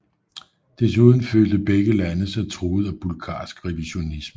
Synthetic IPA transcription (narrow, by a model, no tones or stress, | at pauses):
d̥esuð̞ˠn̩fø̰ːld̥əb̥eɡ̥əlænəsæt͡sʰʁoːð̞̩ˠæb̥ulɡ̥ʰɑ̰̈ːsɡ̥ʁɛʋiɕo̝nismə